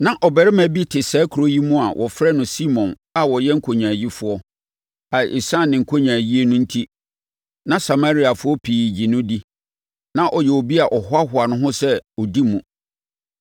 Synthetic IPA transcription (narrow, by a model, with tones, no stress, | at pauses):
nã˦ʔɔ˨bɛ˨ɾɪ˦mæ̃˨bi˦tʰɪ˨sɛː˨˦kʰu˨ɾo˦ji˦mũ˦a˨wʔɔ̰˨fɾɛ˦nʊ̃˨si˦mɔ̃˨n | a˨wɔ˨jɛ̃˦ŋ̩˦kʰo˨ɲã˨ji˦fʊ˦ɔ˦ | a˨ɪ˨sã˦˨nɪ̃˨ŋ̩˨kʰo˦ɲãː˨ji˦e˦nũ˦n̩˦tʰi˦ | nã˦sa˨ma˦ɾi˦a˨fʊ˦ɔ˦pʰiː˨d͡ʑi˨nʊ̃˦di˦ | nã˦ʔɔ˨jɛ˨o˨bi˦a˨ʔɔ˨ɦʊ˦a˦ɦʊ˨a˨nʊ̃˦ɦʊ̃˦sɛ˦ɔ˨di˦mũ˨